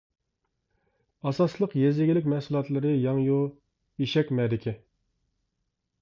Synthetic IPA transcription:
ɑsɑslˠəqjezɪɡʲilɪkʲmɛhsulˠɑt̪lˠɨɾɨjɑŋju | iʃɛkʲmɛd̪ɪkʲʰɪ

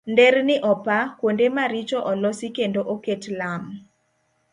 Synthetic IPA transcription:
ndɛrnɪʔɔpakwondemaɾit͡ʃɔʔɔlɔsikendoʔoketlam

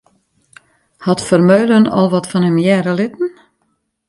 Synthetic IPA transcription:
hɑtfərmøːlənɔ̰lˠʋɔtfɔnhɛmjɛːɾəlɪtn̩

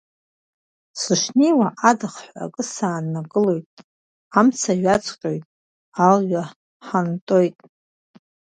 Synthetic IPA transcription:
sɨʂnejwaʔadɨχħʷa̰kʼɨsaːnːaɡʼɨlo̞jtʼ | amt͡sʰaɥat͡sʰʼqʲʼo̞jtʼ | alɥa | ħantʼo̞jtʼ

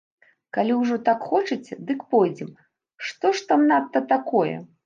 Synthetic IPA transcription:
kalʲiwʐɔt̪akxɔt͡ʂɨt͡sʲɛd̪ɨkpɔjd͡zʲɛm | ʂt̪ɔʂt̪amnat̪ːɐt̪akɔjɛ̰

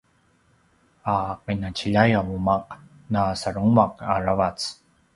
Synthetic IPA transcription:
aqinat͡ʃiʎajaumaq | nasaɾuŋmaqaɾavat͡s

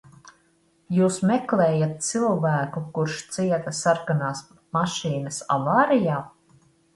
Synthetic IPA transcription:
juːsmɛklˠɛːjat̪̚t̪silˠvæːkukuɾʃt̪siɛt̪ɐsaɾkanaːs | maʃiːnɐsa̰vaːɾijaː

